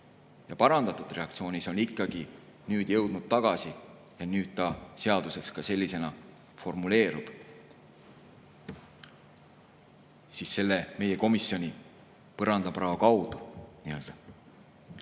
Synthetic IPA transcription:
jɑpɑɾɑnd̪ɑt̪ːˑud̪re̞ɑkt̪sio̞ːnʲiso̞nikˑːɑɡ̥i | nyːd̪̥jɤwd̪̥nud̪̥̚t̪ɑɡ̥ɑsi | jɑnyːd̪̥t̪ɑse̞ɑd̪̥use̞kskɑse̞lːise̞nɑ | fo̞rmule̞ːɾub̥ | sisse̞lːeme̞je̞ko̞misːjo̞nʲi | pɤɾɑnd̪ɑprɑːɑkɑwd̪̥uniø̞ld̪̥ɑ

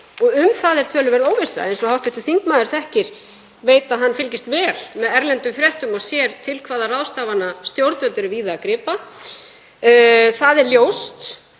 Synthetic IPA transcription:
ɔɣʏmθaðɛɾ̥t̪ʰœːlʏvɛɾðoːwvɪsa̰ejnsɔhawt̪ɪht̪ʏ̥θiŋkmaːðʏɾ̥θɛhcɪɾ̥ | veːjt̪aðɦanːfɪlcɪst̪vɛːlmɛðɛɾlɛnt̪ʏmfɾjɛht̪ʏmɔɣsjɛːɾt̪ʰɪlkʰvaːðarawst̪aːvanast̪jowɾt̪nœnt̪ʏɾɪviːðaːkɾɪːpa | θaðɛɾljowst̪

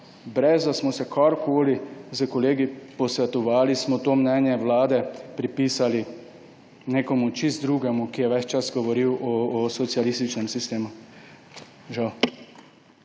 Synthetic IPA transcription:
bɾɛzd̪asmɔsɛkʰɔɾkʰoːlizəkɔleːɡipɔsʋɛt̪ɔʋaːlismɔt̪oːmnɛnjɛʋlaːd̪ɛpɾipiːsali | neːkɔmut͡ʃist̪d̪ɾuːɡɛmukijɛʋɛt͡ʃt͡ʃasɡɔʋɔɾiwʔɔsɔt̪sialist̪it͡ʃnɛmsist̪eːmu | ʒaw

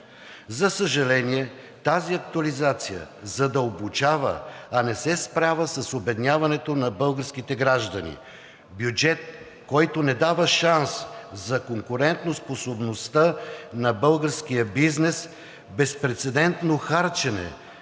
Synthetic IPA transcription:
zɐsəʒɐlɛniɛ | t̪aziɐk̚t̪uɐlizat̪sijə̰zɐd̪əlbʊt͡ʃavə̰ɐnɛsɛspɾavəsɐsobɛd̪inʲavɐnɛt̪onɐbɤlˠɡəɾskit̪ɛɡɾaʒd̪ɐnḭ | bjud͡ʒɛt̪̚ | kɔjt̪onɛd̪avəʃanszɐkoŋkʊɾɛnt̪nosposobnost̪ənɐbɤlˠɡəɾsk̟ijəbiznɛs | bɛspɾɛt̪sɛd̪ɛnt̪noxaɾt͡ʃɛnɛ̰

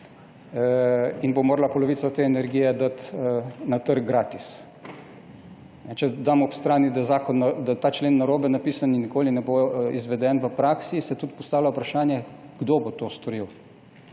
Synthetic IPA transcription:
inbomoːɾalapɔlɔʋiːsɔt̪eːɛnɛɾɡijɛd̪at̪nat̪əɾɡɡɾaːt̪is | nɛt͡ʃɛd̪aːmɔːpst̪ɾaːnid̪azaːkɔnːad̪at̪aːt͡ʃleːnːaɾoːbɛnapiːsaninːikoːlinɛboizʋɛd̪ɛnʋəpɾaːksisɛt̪ut̪̚pɔst̪aːwlʲaupɾaʃaːnjɛɡ̥d̪oːbot̪oːst̪ɔɾiw

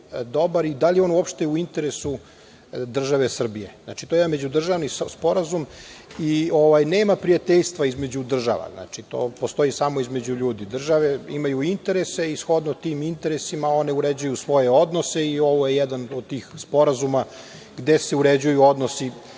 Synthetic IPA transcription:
d̪o̞baɾid̪alio̞ːnuopʃt̪euint̪e̞ɾe̞su | d̪r̩ʒaʋesr̩bije̞na̰t͡ʃi̥t̪oimame̞d͡ʑud̪r̩ʒaʋnispo̞ɾazumio̞ʋajneːmapɾiat̪eʎst̪ʋaizme̞d͡ʑud̪r̩ʒa̰ʋa̰zna̰t͡ʃit̪o̞̰ːpo̞st̪o̞isamoizme̞d͡ʑuʎuːd̪id̪r̩ʒaʋe̞imajuint̪e̞ɾese̞isxo̞d̪not̪iːmint̪e̞ɾesimao̞neuɾed͡ʑujusʋo̞jeod̪nose̞io̞ʋoje̞jɛd̪anod̪̚t̪iːxspo̞ɾazuma | ɡd̪e̞se̞uɾed͡ʑujuo̞d̪nosi

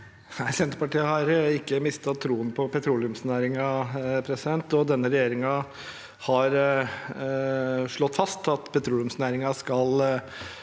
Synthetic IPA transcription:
næɪsɛnt̪əpɑʈiːəhɑɾɪkːəmɪst̪ɑt̪ʰːɾuːənpʰɔpɛt̪ʰɾuːlɪʉmsnæːɾɪŋɑpʰɾɛsɪd̪ɛnt̪ɔd̪ɛnːəɾɛjeːɾɪŋɑ | hɑɾ | ʂɭɔt̪ːfɑst̪ɑt̪pʰɛt̪ʰɾuːlɪʉmsnæːɾɪŋɑskɑl

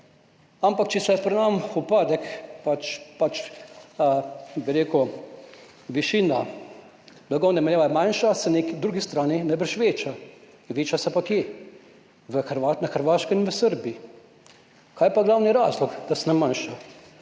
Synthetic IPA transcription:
ampakt͡ʃɛsɛpɾɛnamupaːd̪ɛkpat͡ʃpat͡ʃ | biɾeːku | ʋiʃiːna | blaɡɔwnɛmɛljaːʋamajnʃasɛnekd̪ɾuːɡist̪ɾaːninajbəɾʃʋeːt͡ʃa | ʋeːt͡ʃasɛpakje | ʋəxɾʋanaxəɾʋaːʃkɔinʋəsəɾbii | kʰaːjpaɡlawniɾaːzlɔɡd̪asɛnɛmanʃa

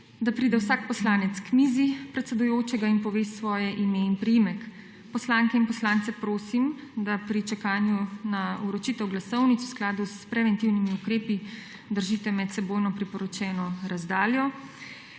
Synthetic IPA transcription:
d̪apɾiːd̪ɛwsaːk̚pɔslaːnɛt̪skmizipɾɛt̪sɛd̪ujoːt͡ʃɛɡainpɔʋeːsʋɔːjɛʔimeinpɾɛjimɛk | pɔslaːŋkɛinpɔslant̪sɛpɾoːsimd̪apɾit͡ʃɛkaːnjunauɾɔt͡ʃiːt̪ɛwɡlasɔwnitsw̥sklaːd̪uspɾɛʋɛnt̪iwnimiukɾeːpi | d̪əɾʒiːt̪ɛmɛt̪sɛboːjnɔpɾipɔɾɔt͡ʃɛːnɔɾazd̪aːljɔ

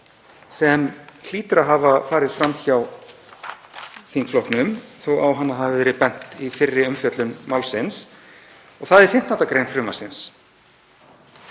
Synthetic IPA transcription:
sɛml̥iːt̪ʏɾaɦavafaːɾɪðfɾamːçaw | θiŋkflɔhknʏmθowawɦanːahɦaðvɪvɛːɾɪpɛn̥t̪ifɪrːɪʏmfjœt̪lʏmːawlsɪns | ɔɣθaðɛɾ̥fɪm̥t̪naht̪akɾejnfɾʏːma̰sɪns

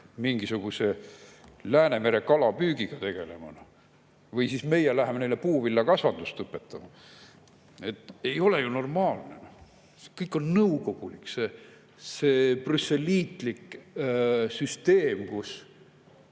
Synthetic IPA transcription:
miŋɡ̥isuɡ̥use̞ | læːne̞me̞ɾe̞kɑlɑpyːɡiɡ̥ɑt̪e̞ɡ̥e̞le̞mɑnɑ | vɤjsisme̞jelæɦemenejlːe̞puːvilːɑkɑsvɑnd̪ust̪ɤpːˑe̞t̪ːɑmɑ | e̞t̪ːˑe̞jo̞le̞juno̞rmɑːlne̞no | sekɤjkːˑo̞nnɤwko̞ɡ̥ulikːse | seprysːe̞lʲiːt̪ˑlik | syst̪eːmkus

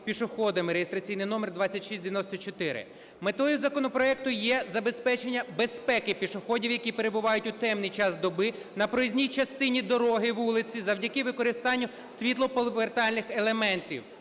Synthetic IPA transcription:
pʲiʃʊxɔd̪ɐmɪɾejest̪ɾɐt͡sʲijnɪjnɔmɛrd̪ʋat͡sʲːɐtʲʃisʲd̪ʲeɪʋʲɪnɔsʲt̪ɔt͡ʃɔt̪ɪɾɪ̰ | met̪ɔjʊzɐkɔnɔpɾɔɛk̚t̪ʊjɛzɐbe̞spɛt͡ʃenʲːɐbe̞spɛkɪpʲiʃʊxɔdʲiwjɐkʲipe̞ɾebʊʋɑjʊtʲʊt̪ɛmnɪjt͡ʃɑsd̪ɔbɪ | nɐpɾɔzʲnʲijt͡ʃɐst̪ɪnʲid̪ɔɾɔɦɪʋulˠɪt͡sʲizɐwdʲɐkɪʋɪkɔɾɪst̪ɑnʲːʊ | sʲʋʲit̪lˠɔpɔlˠʋert̪ɑlʲnɪxelˠemɛnt̪ʲḭw

